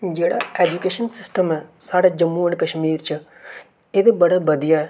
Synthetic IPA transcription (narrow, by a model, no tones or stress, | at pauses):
d͡ʒeːɽa̰eːd͡ʒukeːʃənsɪsʈəmɛsaːɽad͡ʒɐmːuːəɳkɐʃmiːɾt͡ʃʰɐ | ed̪ebɐɽabɐd̪ijaɛ